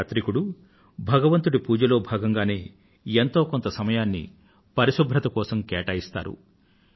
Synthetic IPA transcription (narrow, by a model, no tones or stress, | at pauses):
t̪ɾikuɽu | bʱɐɡɐʋɐnt̪uɽipuːd͡ʒɐlo̞ːbʱaːɡɐŋɡaːne̞ː | ent̪o̞ːko̞nt̪ɐsɐmɐjaːnːḭ | pɐɾiʃubʱɾɐt̪ɐkɔːsɐmkeːʈɐːjist̪a̰ːɾṵ